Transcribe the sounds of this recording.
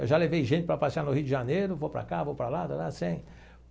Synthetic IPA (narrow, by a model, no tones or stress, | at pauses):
ewʒalevejʒẽnt͡ʃɪ̥pɾɐpasianʊhiʊd̪ɪʒanejɾʊvowpɾa̰kavowpɾɐlad̪alasẽj̃